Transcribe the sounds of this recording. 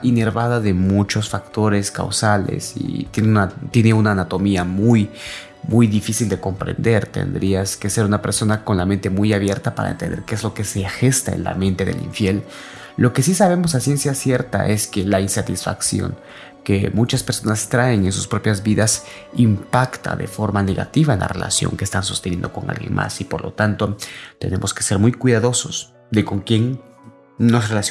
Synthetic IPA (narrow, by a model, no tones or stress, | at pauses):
ine̞ɾβaðaðe̞mut͡ʃo̞sfakt̪o̞ɾe̞ska̰wsale̞̰sḭt̪ennat̪je̞ne̞unaːnat̪o̞miamuj | mujðifisild̪e̞ko̞mpɾe̞̰nd̪e̞ɾt̪ḛnd̪ɾiaske̞se̞ɾunape̞̰ɾso̞nako̞nlament̪e̞mujaβje̞ɾt̪apa̰ɾa̰ḛnt̪end̪eɾkeezlo̞ke̞sexe̞st̪aḛnla̰mẽ̞nt̪e̞ðḛlḭɱfje̞l | lo̞ke̞sisaβe̞mo̞sasje̞nsjasje̞ɾt̪a̰ʔe̞ske̞lainsat̪isfaksjo̰ŋ | ke̞mut͡ʃaspeɾso̞nast̪ɾae̞ŋe̞nsu̥spɾo̞pjazβiðas | impakt̪a̰ðe̞̰fo̞ɾmane̞ɣa̰t̪iβaenlʔa̰re̞̰lʔa̰sjo̞̰ŋkeːst̪anso̞st̪enjend̪oko̞̰ŋa̰lɣje̞̰nmʔa̰sipo̞ɾlo̞̰t̪ant̪o̞t̪e̞ne̞mʔo̞skese̞ɾmujkwiðaðo̞so̞s | ðe̞ko̞ŋkjeŋ | no̞srelas